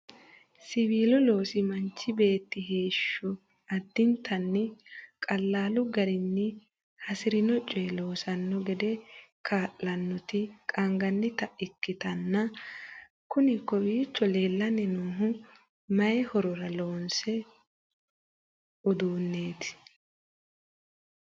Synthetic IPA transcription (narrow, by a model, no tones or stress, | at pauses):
sɪβiːlʊlo̞ːsɪmɐnt͡ʃːɪbe̞ːt̪ːɪɦe̞ːʃːʊ | ɐd̪ːɪnt̪ʰɐnːɪkʼɐlːaːlʊɡɐɾɪnːɪ | hɐsɪɾɪnɔt͡ʃʼːɛloːsɐnːɔɡɛd̪ɛkʰaːʔlɐnːɔt̪ɪkʼɐŋɡɐnːɪt̪ɐɪkːɪt̪ɐnːɐ | kʊnɪkːɔbiːt͡ʃːɔle̞ːlːɐnɛnuːɦʊ | mɐjɛhɔɾɔɾɐlo̞ːnsɛ | ɔd̪uːnːe̞ːt̪ɪ̥